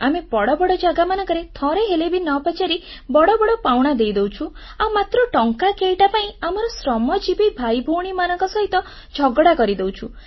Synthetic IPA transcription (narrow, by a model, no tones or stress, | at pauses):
amebɔɽɔbɔɽɔd͡ʒaɡamanɔ̃kɔɾet̪ʰɔ̃ɾeɦelebʱinɔpat͡ʃaɾi | bɔɽɔbɔɽɔpawɽ̃ad̪ejd̪ewt͡ʃʰu | awmat̪ɾɔʈɔŋkakejʈapaĩamɔɾɔsɾɔmɔd͡ʒibibʱajbʱuɽ̃imanɔŋkɔsɔɦit̪ɔ | d͡ʒʱɔɡɽakɔɾid̪ewt͡ʃʰu